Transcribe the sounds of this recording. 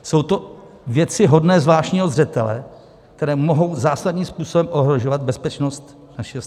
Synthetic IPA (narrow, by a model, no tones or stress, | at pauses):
so̞wt̪o̞ | vjɛt͡sɪɦo̞dnɛːzvlaːʃɲiːɦozr̝ɛt̪ɛlɛ̰ | k̚t̪ɛɾɛːmo̞ɦo̞wzaːsadɲiːmspuːsobɛmʔoɦɾo̞ʒovad̪̚bɛspɛt͡ʃno̞st̪ | naʃɪos